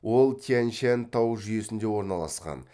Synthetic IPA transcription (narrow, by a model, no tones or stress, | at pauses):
wo̞lˠt̪ʲʰianʃænt̪ʰɑwʒʏje̞sɪnd̪e̞wo̞ɾnɑlˠɑ̰sqɑ̰n